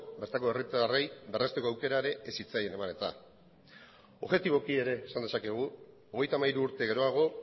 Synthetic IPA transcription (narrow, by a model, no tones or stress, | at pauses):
be̞ɾt̪ako̞erit̪rejbe̞re̞st̪eko̞awke̞ɾaeɾe̞ʔesit͡saje̞ne̞mane̞t̪a̰ | o̞ɣʝe̞t̪iβo̞kie̞ɾe̞ːsand̪e̞sake̞ɣ̞u | o̞ɣ̞e̞jt̪amaiɾuːɾt̪e̞ɣe̞ɾo̞aɣ̞o̞